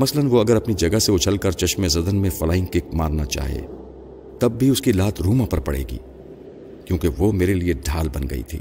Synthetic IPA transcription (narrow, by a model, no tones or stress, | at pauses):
mɐslənʋoɐɡəɾɐpnid͡ʒɐɡəɦseʊt͡ʃʰəlkɐɾt͡ʃɐʃmẽzɐd̪ənmẽfɐlaːɪ̃ŋkɪk̚ma̰ːɾnat͡ʃa̰ːɦḛː | t̪ɐbːiʊskilaːt̪ʰɾuːmãpɐɾpɐ̰ɽḛːɡḭː | kjõːkeʋoːmeːɾelieɖʱaːlbɐnɡɐ̰ḭt̪ʰḭː